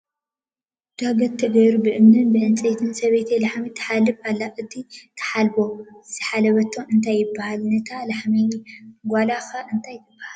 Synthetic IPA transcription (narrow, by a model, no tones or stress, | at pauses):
d̪̥aɡɐt̪ʰːɐɡɐjɾubɨʔɨmnɨnbɨʕɨnt͡sʼet̪ʰɨnsɐβet̪ʰilaħmit̪ʰɐ̥ħalːɨfalːaʔɨt̪ʰit̪ʰɐ̥ħalbo̞zɨħalɐβɐt̪ʰːoʔɨnt̪ʰajːɪbːahalnɐt̪ʰalaħmiɡʷalaxɐʔɨnt̪ʰajt̪ʰɨbːahal